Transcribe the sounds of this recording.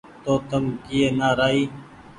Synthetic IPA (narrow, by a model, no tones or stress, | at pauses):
t̪oːt̪əmkijeːnaːɾaːiː